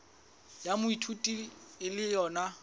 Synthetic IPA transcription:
jamʊitʰutʼiɪlɪjɔːna

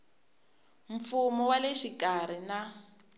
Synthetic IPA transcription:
ɱ̩fumɔwaleʃikaɾ̤ina

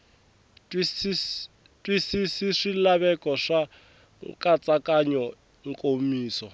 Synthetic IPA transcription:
is | tʼwisisiʂilaβɛkɔʂa | ŋkʼat͡sʼakaɲɔ | ŋkʼomiːsɔ

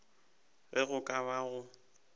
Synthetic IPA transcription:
ɣɪɣʊkʼabaɣʊ

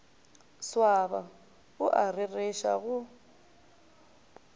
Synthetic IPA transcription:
swaba | ʊʔarɪreʃa̰ɣʊ

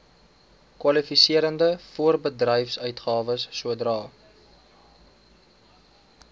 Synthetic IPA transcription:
kwɐlifisiəɾəndəfuərbədrəjfsœɥtχɑːvəsːuədrɑː

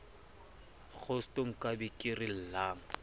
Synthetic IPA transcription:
ɣʰʊstoŋ̩kʼabɪkʼɪrɪl̩laːŋ̩

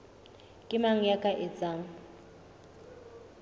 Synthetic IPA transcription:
kʼɪmaŋ̩jakʼaʔɪt͡sʼaːŋ̩

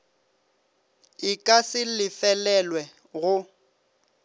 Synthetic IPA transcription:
ɪkʼasɪlɪfɛlɛlwɛ | ɣʊ

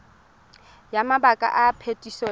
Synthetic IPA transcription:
jamabakʼa̰ʔapʰetʼisɔ

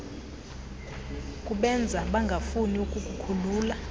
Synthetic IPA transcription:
kʼuɓɛnd͡zʱaɓaŋɡʱafuniukʼukʼukʰuluːla

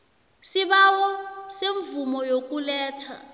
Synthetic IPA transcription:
siβawɔseɱvumɔjok̬ʼulɛːtʰa̰

